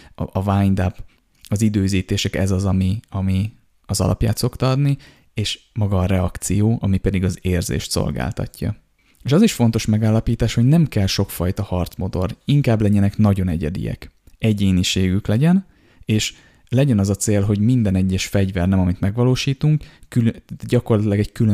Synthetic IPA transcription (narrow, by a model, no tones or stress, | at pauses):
ɒvaːɲd̪ap | ɒzid̪øːziːt̪eːʃɛkɛ̰zɒzɒmiɒmi | ɒzɒ̰lɒ̰pja̰ːt̪so̞kt̪ɒɒd̪ni | eːʃ | mɒɡɒːɾɛɒkt̪sijoːʔɒmipɛd̪iɡɒzeːrzḛːʃt̪so̞̰lɡa̰ːlt̪ɒ̰cːɒ̰ | eːʃɒziʃfo̞nt̪o̞ʃmɛɡaːlːɒpiːt̪aːʃho̞ɟnɛmkɛlʃo̞kfɒjt̪ɒhɒrt̪smo̞d̪o̞riŋkaːblɛɲɛnɛknɒɟo̞nɛɟɛ̰d̪ḭjɛ̰kɛɟeːɲiʃeːɡyklɛɟɛn | eːʃ | lɛɟɛnɒzɒt̪seːlɦo̞ɟmind̪ɛnɛɟːɛʃfɛɟvɛrnɛmɒmit̪mɛɡʋɒloːʃiːt̪uŋkːylɟɒko̞rlɒt̪ilɒɡɛɟkylø